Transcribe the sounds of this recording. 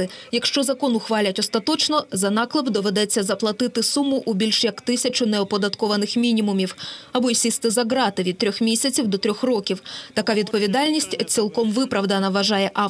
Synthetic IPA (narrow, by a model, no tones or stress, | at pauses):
ɪjɐkʃt͡ʃɔzɐkɔnʊxʋɑlʲɐtʲɔst̪ɐt̪ɔt͡ʃnɔzɐnɑklˠɪbd̪ɔʋed̪ɛt͡sʲːɐzɐplˠɐt̪ɪt̪ɪsumʊʔubʲilʲʃjɐkt̪ɪsʲɐt͡ʃʊnɛɔpɔd̪ɐt̪kɔʋɐnɪxmʲinʲimʊmʲiwɐbɔisʲist̪ɪzɐɦɾɑt̪ɪʋʲid̪̚t̪ːɾʲɔxmʲisʲɐt͡sʲiwd̪ɔt̪ɾʲɔxrɔkʲiwt̪ɐkɑʋʲid̪̚pɔʋʲid̪ɑlʲnʲisʲtʲt͡sʲilˠkɔmʋɪpɾɐwd̪ɐnɐʋɐʒɑjɛʔɑ